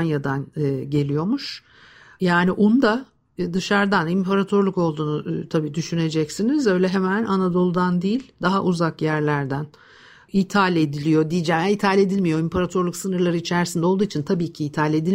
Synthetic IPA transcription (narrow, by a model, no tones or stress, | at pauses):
njad̪anɟe̞lʲijo̞muʃ | jaːniʔund̪a | d̪ɯʃaɾd̪animpʰaɾat̪ʰo̞ɾlˠuko̞lˠd̪uːnut̪ʰabiːd̪yʃyne̞d͡ʒɛcsinizø̞jlʲɛɦemænanad̪o̞lˠud̪and̪ijilʲd̪aɦaʔuzakjæɾlʲæɾd̪æn | it̪ʰalʲed̪ilʲijo̞d̪ijid͡ʒɛmait̪ʰalʲe̞d̪ilʲmijo̞impʰaɾat̪ʰo̞ɾlˠuksɯnɯɾlˠaɾɯit͡ʃʰæɾsind̪ɛo̞lˠd̪uːit͡ʃʰint̪ʰabiːcʰiːt̪ʰalʲe̞d̪ilʲ